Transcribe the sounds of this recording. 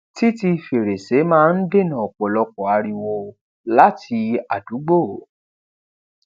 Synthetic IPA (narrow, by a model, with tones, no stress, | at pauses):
ti˦ti˧fe˨ɾe˨se˨˦mãː˦˧n̩˦de˦˨nã˨ɔ˨k͡pɔ˨lɔ˧kɔ˨a˧ɾi˧wo˧ | la˦ti˧a˨du˨˦ɡ͡bo˦˨˦